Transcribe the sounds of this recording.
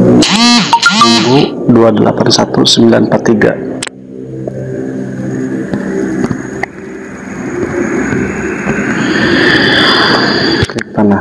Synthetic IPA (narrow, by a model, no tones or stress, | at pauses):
mumbuduadəlʔa̰pansat̪usəmbila̰npat̪ːiɡa̰ | kik̚t̪ana